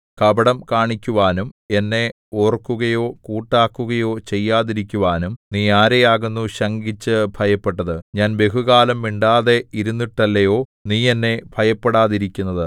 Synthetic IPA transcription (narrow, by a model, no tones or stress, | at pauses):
kɐbɐɽɐmkaːɳikʲːuʋaːnume̞nːe̞ | oːrkːuɣɐjo̞ːkuːʈːaːkːuɣɐjo̞ːt͡ɕe̞jːaːðiɾikʲːuʋaːnumniːaːɾejaːɣunːuɕɐŋɡit͡ɕːɨbʱɐjɐpːeʈːɐðɨɲaːnbe̞ɦuɣaːlɐmʋiɳɖaːðe̞iɾunːiʈːɐlːɐjo̞ːniːe̞nːe̞bʱɐjɐpːeɽaːðiɾikʲːunːɐðɨ